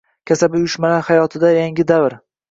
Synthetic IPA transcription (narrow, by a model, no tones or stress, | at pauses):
kʲʰasabɪjʊʃmalaɾhajɒt̪ʰɪd̪ajaŋʲɪd̪avɾ